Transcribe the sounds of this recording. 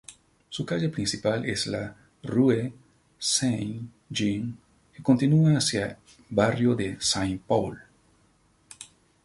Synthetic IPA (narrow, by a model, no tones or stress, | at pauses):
sukaʒapɾĩnsipalʔesla | rue | sen | d͡ʒiŋ | kekont̪inuaasja | barjoðesaŋpawl